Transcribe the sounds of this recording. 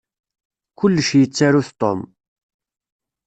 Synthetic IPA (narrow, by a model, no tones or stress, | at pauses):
kʊlːʃjət͡sːaɾuθt̪ˤo̰m